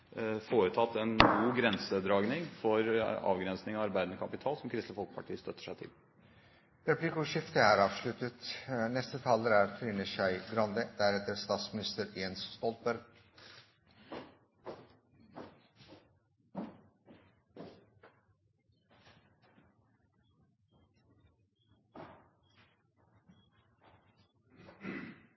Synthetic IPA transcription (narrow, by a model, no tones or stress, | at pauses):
foːɾət̪ʰɑt̪ːɛnɡuːɡɾɛnsəd̪ɾɑːɡnɪŋfɔɾɑ̰ːʋɡɾɛnsnɪŋɑɑɾbæɪd̪ənəkʰɑpɪt̪ʰɑːlsɔmkʰɾɪst̪əfɔlkə̥pʰɑʈʰiːəst̪œt̪ːə̥ʂæɪt̪ʰɪ̰l | ɾɛpʰlikʊʂɪft̪əæɾɑːʋʂɭʉt̪ət̪nɛst̪ət̪ʰɑːləɾæːɾfʰɾiːnəʃɑɪɡɾɑnd̪əd̪æɾɛt̪əɾst̪ɑːt̪smɪnɪst̪əɾɛnsst̪ɔlt̪̚bœɾɡ